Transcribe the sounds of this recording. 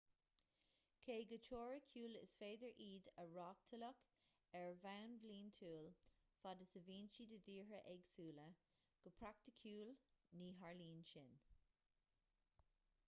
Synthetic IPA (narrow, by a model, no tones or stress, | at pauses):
kʰeːɡət͡ʃʰoːɹəkʰjuːlɪ̰sfeːd̪əɹʔiːd̪əɹɑːk̚t̪ʰələk | ɛɹvanvliːnt̪ʰuːlfadəsəviːnt͡ʃidədiːɹəʔɛɡsuːlə | ɡ̥əpʰɹak̚t̪əkʰuːlniːɦaɹliːnʃɪn